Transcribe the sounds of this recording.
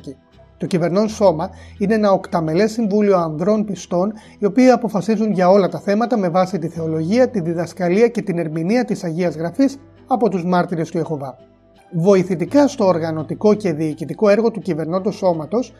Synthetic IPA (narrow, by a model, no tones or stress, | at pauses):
i | t̪o̞cive̞ɾno̞nso̞mɐineenɐokt̪ɐme̞le̞siɱvulio̞ɐnðɾo̞npist̪o̞n | io̞piiɐpo̞fɐsizunʝɐo̞lɐt̪ɐθe̞mɐt̪ɐme̞vɐsit̪iθe̞o̞lo̞ʝiɐt̪inðiðɐskɐliɐce̞t̪ine̞ɾminiɐt̪isɐʝiɐzɣɾɐfis | ɐpo̞t̪uzmɐɾt̪iɾe̞st̪ue̞xo̞vɐ | vo̞iθit̪ikɐst̪o̞ːɾɣɐno̞t̪iko̞ce̞ðiːcit̪iko̞e̞ɾɣo̞t̪ucive̞ɾnond̪oso̞mɐt̪o̞s